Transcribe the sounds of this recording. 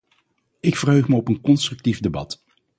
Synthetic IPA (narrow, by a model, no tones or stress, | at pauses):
ɪkfərɦøɥχməɔpənkɔnstrɵk̚tifdebɑt